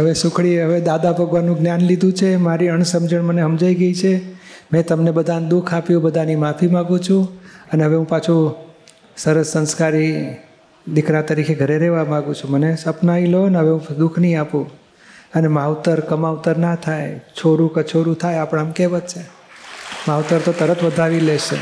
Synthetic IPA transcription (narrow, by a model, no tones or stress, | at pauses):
ɦəʋesʊkʰɭiəʋed̪ad̪abəɡʋanːũɡnjanlid̪ʱũt͡ʃʰemaɾiəɳsəmd͡ʒəɳməneɦəmd͡ʒaiɡəit͡ʃʰemɛ̃t̪əmnebəd̪ʱand̪ukʰapjũbəd̪ʱanimapʰimãɡũt͡ʃʰũəneɦəʋeɦũpat͡ʃʰu | səɾəsːə̃nskaɾi | d̪ɪkɾat̪əɾikʰeɡʱəɾeɾeʋamãɡũt͡ʃʰũmənesəpnailoənɦəʋeɦũd̪ukʰnəĩapũ | ənemaʋt̪əɾkəmaʋt̪əɾnat̪ʰajt͡ʃʰoɾũkət͡ʃʰoɾũt̪ʰajapəɳ̃amkeʋət̪t͡ʃʰe | maʋt̪əɾt̪ot̪əɾət̪ʋəd̪ʱaʋileʃḛ